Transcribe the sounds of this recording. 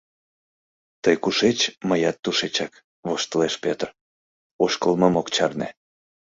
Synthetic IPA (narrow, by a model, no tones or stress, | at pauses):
t̪əjkuʃet͡ɕməjɑt̪ːuʃet͡ɕɑk | βoʃt̪əleʃpet̪ər | oʃkəlməmokt͡ɕɑrnḛ